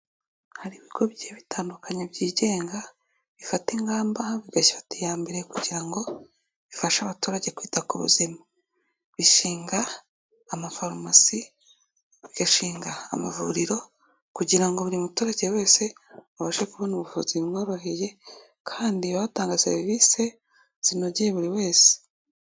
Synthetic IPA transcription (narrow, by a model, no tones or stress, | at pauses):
haɾiβiɡo̞βjeːβitaːndukaɲebɟiːɟe̞ːŋɡa | βifateŋɡaːmbaβiɡaʃifatijaːmbeɾekuɟiɾaŋɡo̞ | βifaʃaβatuːɾaɟe̞kwiːtakuβṵzima | βiʃiːŋɡaː | mafaɾmasi | βiɡaʃiːŋɡa̰ːma̰vṵɾiɾo̞ | kuɟiɾaŋɡo̞βuɾimutuːɾaɟe̞we̞ːse̞βaβaʃekuβonuβuvṵzimŋoːɾoɦeje̞ | kʰaːndiβaβataːŋɡazeββise̞ | z̥inoɟejeβuɾiwe̞ːse̥